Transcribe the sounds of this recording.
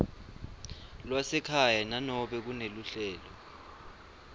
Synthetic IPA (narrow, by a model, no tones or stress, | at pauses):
lwasɛkʰajananɔɓɛk̬uneluɬɛːlɔ